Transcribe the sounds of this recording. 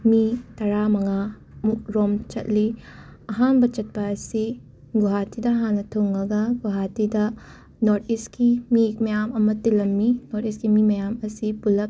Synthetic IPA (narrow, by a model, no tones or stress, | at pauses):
mitɐɾamɐŋa | muk̚ɾomt͡ʃɐ̰t̚li | ɐɦanbɐt͡ʃɐt̚pɐːsi | ɡuɦatidɐɦanːɐtʰoŋɐɡɐɡuɦatidɐ | noɾtiskimimɐjamɐmɐtilɐmːinotiskimimɐjamɐsipulɐp̚